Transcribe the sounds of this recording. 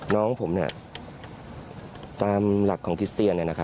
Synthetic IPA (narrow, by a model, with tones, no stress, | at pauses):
nɔː˦˥ŋpʰo˩˦mni˥˩ | t̪aː˧mla˨˩kʰːɔː˩˦ŋkʰɾi˦˥st̪i˧ənːi˥˩na˦˥kʰa˦˥